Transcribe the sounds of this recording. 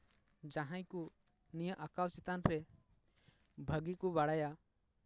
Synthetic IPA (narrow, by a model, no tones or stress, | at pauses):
d͡ʒaɦãj̃ku | nijəʔakawt͡ʃɛt̪anɾɛ | bʱəɡikubaɽaja